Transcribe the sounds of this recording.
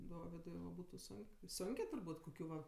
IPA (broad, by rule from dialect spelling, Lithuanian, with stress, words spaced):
ˈdoːʋʲɪdʊɪ ʋɐ ˈbuːtʊ ˈsʊŋk ˈsʊŋʲkʲeː tʊrˈbuːtʲ koːˈkʲuː ʋɐ